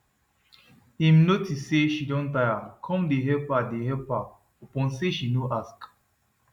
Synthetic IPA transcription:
ĩmnotisːeʃidɔ̃ntajakʰɔ̃mdeɦɛpadehɛpa | ɔpɔ̃nseʃinoʔask

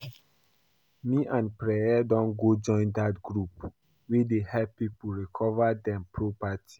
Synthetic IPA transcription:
miʔãnpɹɛjadɔ̃nɡod͡ʒɔ̃ɪ̃ndatɡɹup | widehɛpːipuɹikʰɔvadɛ̃mpʰɹopati̥

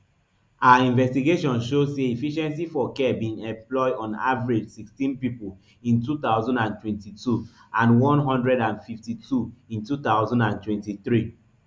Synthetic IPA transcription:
ʔaaĩnvɛstiɡeʃɔ̃nʃozseifiʃɛ̃nsifɔkɛbĩnɛ̃mplɔɪɔ̃na̰vɹed͡ʒsikstĩnpipol | ĩntut̪aʊzɔ̃ndãntwɛ̃ntitu | ãnwɔ̃nɦɔ̃ndɹɛdãnfiftitʰuĩntut̪aʊzɔ̃ndãntwɛ̃ntiθɹi

